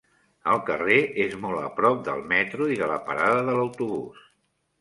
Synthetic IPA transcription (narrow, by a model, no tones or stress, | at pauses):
əlˠkəreʔezmɔlˠə̰pɾɔp̚d̪ə̰lˠmɛt̪ɾuiðələ̰pə̰ɾaðəðələwt̪uβṵs